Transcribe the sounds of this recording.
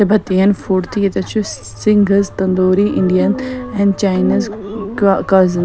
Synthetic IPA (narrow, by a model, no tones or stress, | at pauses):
ebʱɐt̪ijɐnfoːɾt̪ʰiet̪ɐt͡ʃʰu | siŋɡɐzt̪ɐnd̪oːɾiʔɪɳɖijɐnɛ̃nt͡ʃaːjniz | kɐzɐn